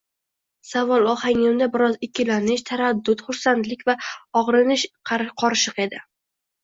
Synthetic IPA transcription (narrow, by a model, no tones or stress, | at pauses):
savɒlˠɒhaŋɪmd̪abɪɾɒzɪkʲʰːɪlanɪʃt̪ʰaɾad̪ːʊt̪χʊɾsant̪lɪkʲvaɒʁɾɪnɪʃqʰɑqʰɒɾʃɨqe̞d̪ɪ